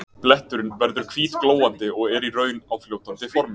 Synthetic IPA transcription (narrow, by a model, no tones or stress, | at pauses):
plɛht̪ʏɾʏnvɛɾðʏɾ̥kʰv̥iːðkloːwant̪ɪɔɣɛɾiɾœːɥnawfljoːwt̪ant̪ɪfɔɾmɪ